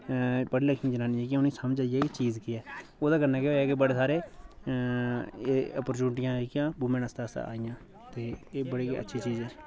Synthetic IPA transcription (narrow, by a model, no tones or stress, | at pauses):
pəɽiːləkʰːĩd͡ʒənaːnieːkɪʊnĩːsamt͡ʃaːɪjɛːkit͡ʃiːzkɪɛːoːd̪aːɡənːaːkeɦoːjɛːkibəɽeːsaːɾeː | əpəɾt͡ʃuːnʈɪjãːekɪjãːbumẽːnəst̪aːst̪a̰a̰ːɪjãː | t̪eːeːbəɽeːkeə̰tːʃʰiːt͡ʃiːzɛː